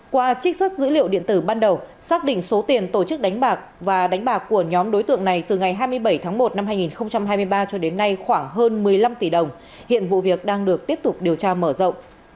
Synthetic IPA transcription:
kwaː˧t͡ɕi˦˥k̟̚swə˦˥t̚zɨ̰˧˥lḭ˧˨wɗḭ˧˨ənt̪ɨ˧˩ɓaː˧nɗə˨˩wsaː˦˥k̚ɗḭ˧˨ŋ̟so˨˦t̪i˨˩ənt̪o˧˩t͡ɕɨ˦˥k̚ɗa˨˦jŋ̟ɓaː˨˩k̚vaː˨˩ɗa˨˦ŋ̟ɓaː˨˩kkːu˧˩əɲɔ˨˦mɗo˨˦jt̪ɨ̰˧˨əŋna˨˩jt̪ɨ˨˩ŋa˨˩jɦaː˧jmɨ˧əjɓə˧˩jt̪ʰaː˨˦ŋmo˨˩t̚na˧mɦaː˧jŋi˨˩nxə˧wŋ͡mt͡ɕa˧mɦaː˧jmɨ˧əjɓaː˧t͡ɕɔ˧ɗe˨˦nːa˧jxwaː˧˩ŋɦəː˧nmɨ˨˩əjla˧mt̪i˧˩ɗə˨˩wŋ͡m | hḭ˧˨ənvṵ˧˨vi˨˩ək̚ɗaː˧ŋɗɨ˨˩ək̚t̪i˦˥əp̚t̪ʊ˨˩k͡p̚ɗi˨˩əwt͡ɕaː˧məː˧˩zə̰˧˨wŋ͡m

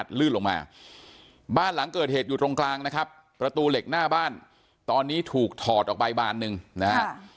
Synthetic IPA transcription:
t̪̚lɯː˥˩nlo˧ŋma̰ː˧ | baː˥˩nla˩˦ŋkɤː˨˩t̪̚heː˨˩t̪̚juː˨˩t̪ɾo˧ŋklaː˧ŋna˦˥kʰa˦˥p | pːɾa˧t̪uː˧le˨˩k̚naː˥˩baː˥˩n | t̪ɔː˧nːiː˦˥t̪ʰuː˨˩k̚t̪ʰɔː˨˩t̪̚ʔɔː˨˩pa˧jba̰ː˧˩nːɯ˨˧ŋna˦ha˦˥

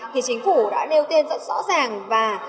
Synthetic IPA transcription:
t̪ʰi˨˩t͡ɕï˨˦ŋ̟fu˧˩ɗa̰ː˧˥ne˧wt̪i˧nzə̰˦˥t̚zɔ̰˧˥zaː˨˩ŋvaː˨˩

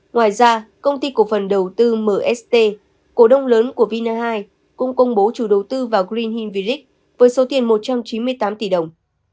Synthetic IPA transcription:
ŋwaː˨˩jzaː˧kə˧wŋ͡mt̪i˧ku˨˩əfə˨˩nɗə˨˩wt̪ɨ˧məː˨˩ʔɛ˦˥st̪e˧ | ko˧˩ɗə˧wŋ͡mləː˨˦nku˧˩əvi˧naː˧ɦaː˧j | kʊ˧ŋ͡mkə˧wŋ͡mɓo˨˦t͡ɕu˧˩ɗə˨˩wt̪ɨ˧vaː˨˩ɣɾi˧nhi˧nvi˧li˦˥k̚ | vəː˨˦jso˨˦t̪i˨˩ənmo˨˩t̚t͡ɕa˧mt͡ɕi˨˦nmɨ˧əjt̪aː˨˦mt̪i˧˨˩ɗə˨˩wŋ͡m

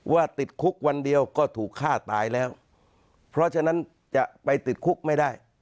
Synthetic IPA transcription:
waː˥˩t̪i˨˩t̪̚kʰu˦˥k̚wa˧ndi˧əwkɔː˥˩t̪ʰuː˨˩kʰːaː˥˩t̪aː˧jlɛː˦˥w | pʰɾɔ˦˥t͡ɕʰa˧na˦˥n | t͡ɕa˨˩ʔpa˧jt̪i˨˩t̪̚kʰu˦˥k̚ma˥˩jdaː˥˩j

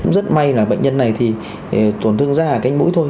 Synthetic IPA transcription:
ŋ͡mzə˦˥t̚ma˧jlaː˨˩ɓə̰˧˨ŋ̟ɲə˧nːa˨˩jt̪ʰi˨˩˨ | t̪o˧˩nt̪ʰɨ˧əŋzaː˧aː˨˩ka˧jŋ̟mṵ˧˥jt̪ʰo˧j

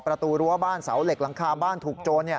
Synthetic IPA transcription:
pɾa˧t̪uː˧ɾu˦˥ɐbaː˥˩nsa̰˩˦wle˨˩k̚la˧˦ŋkʰaː˧baː˥˩nt̪ʰuː˨˩k̚t͡ɕoː˧nːi˥˩

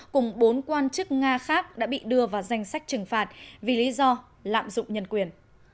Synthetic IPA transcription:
kʊ˨˩ŋ͡mɓo˨˦nkwaː˧nt͡ɕɨ˦˥k̚ŋaː˧xaː˦˥k̚ɗa̰ː˧˥ɓḭ˧˨ɗɨ˧əvaː˨˩wza˧jŋ̟sa˦˥jk̟̚t͡ɕɨ˨˩ŋfaː˨˩t̚vi˨˩li˨˦zɔ˧ | la̰ː˧˨mzʊ̰˧˨ŋ͡mɲə˧˩nkwi˨˩ən

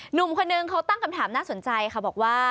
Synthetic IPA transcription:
nu˨˩mkʰo˧nːɯ˧ŋkʰa˦˥wt̪a˥˩ŋkʰa˧mt̪ʰaː˩˦mnaː˥˩so˨˩˦nt͡ɕa˧jkʰa˧˩bɔː˨˩k̚waː˥˩

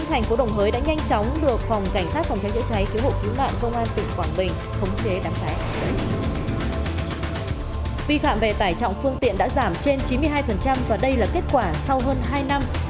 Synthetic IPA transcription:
ŋt̪ʰɛ˨˩jŋ̟fo˨˦ɗə˨˩wŋ͡mɦəː˨˦jɗa̰ː˧˥ɲa˧jŋt͡ɕɔ˨˦wŋ͡mɗɨ˨˩ək̚fa˨˩wŋ͡mka˧˩jŋ̟saː˦˥t̚fɔ˨˩wŋ͡mt͡ɕa˨˦jzɨ̰˧˥t͡ɕa˨˦jki˨˦əwho̰˧˨ki˨˦wnwa̰ː˧˨nkə˧wŋ͡mʔaː˧nt̪ï˨˩ŋ̟kwaː˧˩nɓï˨˩ŋ̟ | xə˨˦wŋ͡mt͡ɕe˨˦ɗaː˨˦ŋt͡ɕa˨˦jɗə˨˦j | vi˧fa̰ː˧˨mve˨˩t̪aː˧˩jt͡ɕɔ̰˧˨wŋ͡mfɨ˧əŋt̪ḭ˧˨ənɗa̰ː˧˥zaː˧˩mt͡ɕe˧nt͡ɕi˨˦mɨ˧əjɦaː˧jfə˨˩nt͡ɕa˧mvaː˨˩ɗə˧jlaː˨˩ke˦˥t̚kwaː˧˩sa˧wɦəː˧nɦaː˧jna˧m

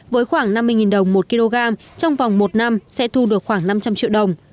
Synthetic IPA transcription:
vəː˨˦jxwaː˧˩ŋna˧mːɨ˧əjŋi˨˩nɗə˨˩wŋ͡mmo˨˩t̚ki˧lo˧ɣaː˧m | t͡ɕɔ˧wŋ͡mva˨˩wŋ͡mmo˨˩t̚na˧msɛ̰˧˥t̪ʰu˧ɗɨ˨˩ək̚xwaː˧˩ŋna˧mt͡ɕa˧mt͡ɕḭ˧˨wɗə˨˩wŋ͡m

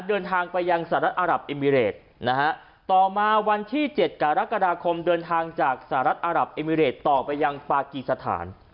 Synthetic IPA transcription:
dɤː˧nt̪ʰaː˧ŋpa˧jːa˧ŋsaː˨˩˦ɾa˦˥t̪̚ʔaː˧ɾa˨˩p̚ʔe˧miː˧ɾeː˨˩t̪̚ | na˦˥kʰa˦˥ʔ | t̪ɔː˨˩maː˧wa˧nt̪ʰiː˥˩t͡ɕe˨˩t̪̚ka˧ɾa˦˥ka˧daː˧kʰo˧mdɤː˧nt̪ʰaː˧ŋt͡ɕaː˨˩k̚sa˧˩a˦ɾa˦˥t̪̚ʔaː˧ɾa˨˩p̚ʔeː˧miː˧ɾeː˨˩t̪ːɔː˨˩pa˧jːa˧ŋpaː˧ki˨˩sa˧t̪ʰa̰ː˩˦n

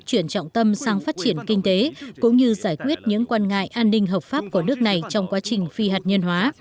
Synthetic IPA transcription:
t͡ɕwi˧˩ənt͡ɕɔ̰˧˨wŋ͡mt̪ə˧msaː˧ŋfaː˦˥t̚t͡ɕi˧˩ənkï˧ŋ̟t̪e˨˦kʊ̰˧˥ŋ͡mɲɨ˧zaː˧˩jkwi˦˥ət̚ɲɨ̰˧˥ŋkwaː˧nŋa̰ː˧˨jʔaː˧nːï˧ŋ̟ɦəː˨˩p̚faː˦˥p̚ku˧˩ənɨ˦˥ək̚na˨˩jt͡ɕɔ˧wŋ͡mkwaː˨˦t͡ɕï˨˩ŋ̟fi˧haː˨˩t̚ɲə˧nɦwaː˨˦

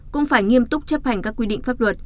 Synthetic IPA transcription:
kʊ̰˧˥ŋ͡mfaː˧˩jŋi˧əmt̪ʊ˦˥k͡p̚t͡ɕə˦˥p̚ha˨˩jŋ̟kaː˦˥kːwi˧ɗḭ˧˨ŋ̟faː˦˥p̚lwə˨˩t̚

